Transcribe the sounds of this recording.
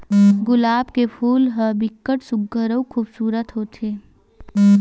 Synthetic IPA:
ɡʊlaːbkepʰuːlɦəbɪkːəʈsʊɡːəɾəwkʰuːbsuːɾət̪ɦoːt̪ʰeː

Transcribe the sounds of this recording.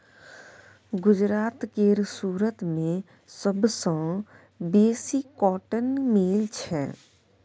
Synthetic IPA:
ɡʊd͡ʒɾaːt̪keːɾsuːɾət̪mẽ | səbsə̃ | beːsikɔːʈənmiːlt͡ʃʰɛ̰

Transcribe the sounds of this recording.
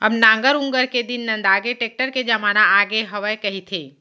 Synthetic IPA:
ɐbnãːŋɡəɾʊ̃ŋɡəɾked̪ɪnːɐ̃nd̪aːɡeʈeːk̚ʈəɾked͡ʒɐmaːnaaːɡeɦɐʋəjkɐɦit̪ʰeː

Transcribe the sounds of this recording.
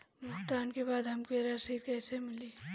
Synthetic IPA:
bʱʊkt̪aːnkebaːd̪ɦɐmkeɾasit̪kɛːsemɪli

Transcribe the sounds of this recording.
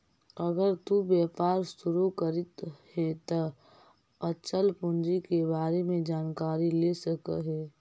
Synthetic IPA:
əɡəɾt̪ubjɛːpaːɾsʊɾukəɾɪt̪hɛt̪ə | ət͡ʃəlpʊ̃nd͡ʒikebaːɾemẽd͡ʒaːnkaːɾilesəkə̰ɦɛː

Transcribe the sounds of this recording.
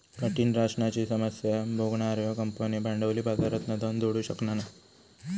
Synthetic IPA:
kəʈiːnɾaʂɳat͡ɕiːsəməsjabʱoɡɳaːɾjəkəmpənibʱaɳɖəʋliːbad̪aɾət̪nəd̪ʱənd̪oɽuːɕəknana

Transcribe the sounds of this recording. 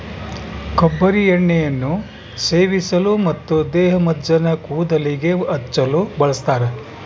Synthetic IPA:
kɐbːɐɾiɐɳːɛjɐnːu | seːʋisɐlumɐt̪ːud̪ɛːɦɐmɐdd͡ʒɐnɐkuːd̪ɐliɡe̞ɐt͡ʃːɐlubɐɭɐst̪aːɾe

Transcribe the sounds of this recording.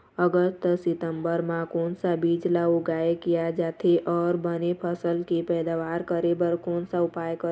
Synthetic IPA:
əɡəst̪sɪt̪ə̃mbəɾmãkɔːnsabiːd͡ʒlaʊɡaːekijad͡ʒaːt̪ʰeʔɔːɾbənepʰəsəlkipɛːd̪aːʋaːɾkəɾebəɾkɔːnsaʊpaːjkə

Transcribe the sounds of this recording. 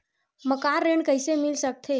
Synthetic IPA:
məkaɾːeɳkəjsemilsək̚t̪ʰe

